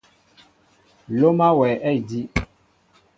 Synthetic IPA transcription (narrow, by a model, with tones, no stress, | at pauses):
lo˦mã˦wɛ˨ʔɛ˦i˨di˦